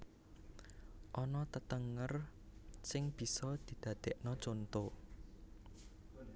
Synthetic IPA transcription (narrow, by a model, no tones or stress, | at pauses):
ʔɔnɔt̪ət̪əŋərsɪŋb̥i̤sɔd̪̥i̤d̪̥ä̤d̪̥eʔnɔt͡ʃont̪o